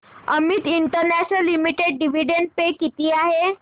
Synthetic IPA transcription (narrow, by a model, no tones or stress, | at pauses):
əmit̪iɳʈəɾnæɕnəlːimiʈeɖ̚ɖiʋ̤iɖen̚pekit̪iːaɦe